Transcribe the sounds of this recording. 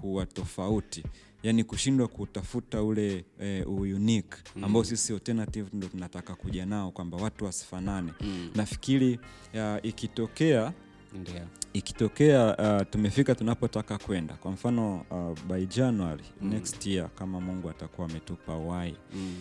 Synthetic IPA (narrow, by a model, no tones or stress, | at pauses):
kuwatɔfauti | janikuʃindwakutafutaulɛujunikambaɔsisiɔltɛnativndɔtunatakakuʄanaɔkwambawatuwasi̥fananɛnafi̥kili | aʔikitɔkɛa | iki̥tɔkɛatumɛfikatunapɔtakakwɛnda̰kwam̩fanɔaɓaid͡ʒanwaɾinɛkstjiakamamuŋɡuatakuwaːmɛtupawai